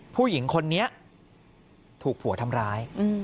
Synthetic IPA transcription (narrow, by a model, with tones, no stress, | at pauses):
pʰuː˥˩ji˨˩˦ŋkʰo˧nːi˦˥ɐ | t̪ʰuː˨˩k̚pʰu˨˩˦t̪ʰa˧mɾaː˦˥jɯ˧